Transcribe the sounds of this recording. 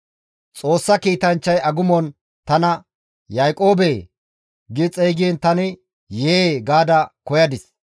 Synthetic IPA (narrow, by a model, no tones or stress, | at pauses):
t͡sʼo̞ːsːɐkiːt̪ɐnt͡ʃːɐjɐɡʊmɔn | t̪ɐnɐ | jaːkʼo̞ːbeː | ɡɪt͡sʼɛjɡɪɛnt̪ɐnɪ | jeːɡaːd̪ɐkɔjɐd̪ɪs